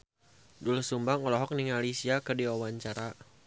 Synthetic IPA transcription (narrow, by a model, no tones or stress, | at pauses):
dulsumbaŋɔlɔɦɔk̚niŋalisiakərdiwawaɲt͡ʃaɾa